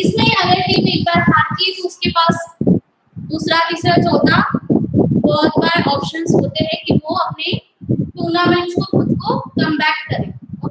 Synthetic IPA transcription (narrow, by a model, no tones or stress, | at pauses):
ɪsmẽɐɡəɾkimekbaɾɦaːɾt͡ʃiːzʊskepaːs | d̪uːsɾatisəd͡ʒɦoːt̪a | bɔːt̪baɾeʔɔːpʃənzɦoːt̪eɦɛ̃kiʋoɐpne | ʈuːnamə̃t͡ʃkoxʊd̪kokɐ̃mbɛːkkɐɾẽː